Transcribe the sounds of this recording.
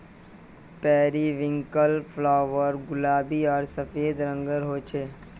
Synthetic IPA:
pɛːɾiʋɪ̃ŋkəlpʰlaːʋəɾɡʊlaːbiɔːɾsəfeːd̪ɾə̃ŋɡəɾɦoːt͡ʃʰeː

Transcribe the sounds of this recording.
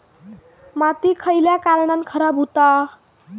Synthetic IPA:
mat̪ikʰʌjljakaɾɽʌnkʰʌɾabʱut̪a

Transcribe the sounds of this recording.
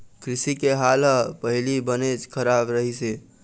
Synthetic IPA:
kʰɾisikeɦaləpəɦilibənet͡ʃkʰəɾabɾəɦise

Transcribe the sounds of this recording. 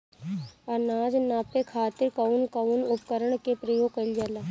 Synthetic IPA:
ɐnaːd͡ʒnaːpekʰaːt̪ɪɾkɐʊnkɐʊnʊpkəɾəɳ̃kepɾəjoːɡkɐld͡ʒalaː

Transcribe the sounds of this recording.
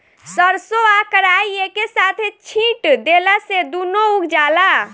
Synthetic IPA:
səɾsoakəɾaiekesat̪ʰet͡ʃʰĩʈd̪elased̪unoukd͡ʒala

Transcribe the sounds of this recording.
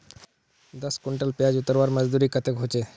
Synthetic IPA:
d̪əskuɳʈəlpead͡ʑut̪ːəɾbaɾməd͡ʑd̪uɾikət̪ekɦot͡ɕe

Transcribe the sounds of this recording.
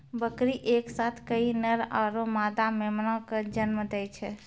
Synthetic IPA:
bəkɾiʔeksat̪ʰkəinəɾa̰ɾomad̪amemənɔ̃kəd͡ʒənməd̪ɛjt͡ʃʰɛ

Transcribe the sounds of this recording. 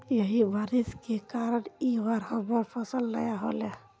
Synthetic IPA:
jəɦibaɾiskekaɾəɽiʋaɾɦəbəɾpʰəsəlːəjaɦole

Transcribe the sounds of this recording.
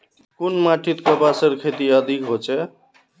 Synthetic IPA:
kunmaʈʰit̪kəbasəɾkʰet̪iəd̪ʱikɦot͡ʃʰɛ

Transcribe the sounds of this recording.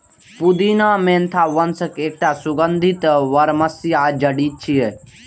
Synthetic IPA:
pud̪iːnãːmẽːnt̪ʰaːʋɐnsəkeːk̚ʈaːsʊɡənd̪ʱit̪ʋɐɾmɐsijaːd͡ʒɐɖiːt͡ʃʰie

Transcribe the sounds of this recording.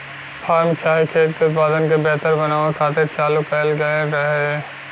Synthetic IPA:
pʰaːɾmt͡ʃaːɦikʰeːt̪keʊt̪̚paːd̪ənkebɛɦt̪əɾbɐnaːʋekʰaːt̪ɪɾt͡ʃaːlukɐlɡɐeɾɐɦe

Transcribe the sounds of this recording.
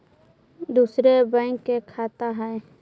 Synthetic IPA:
d̪uːsɾebə̃ŋkːekʰaːt̪aɦɛ

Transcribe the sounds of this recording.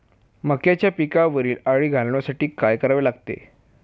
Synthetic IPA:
məkjat͡ɕjapikaʋəɾiːlaɽiːɡʱalɳ̃jasaʈiːkajkəɾaʋelaɡt̪ḛ

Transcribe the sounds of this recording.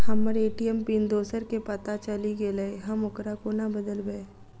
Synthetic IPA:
hɐmːəɾeːʈijəmpind̪oːsəɾkepɐt̪at͡ʃəliɡeleeɦɐmʊkɾakonabəd̪əlbe

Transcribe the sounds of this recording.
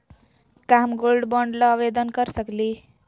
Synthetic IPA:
kamɡolɖbʌɳɖlʌːʋed̪ənkəɾsəkli

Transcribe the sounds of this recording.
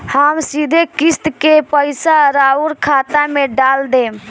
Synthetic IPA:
həmsid̪ʱekist̪kepəjsaɾauɾkʰat̪ameɖald̪ẽ

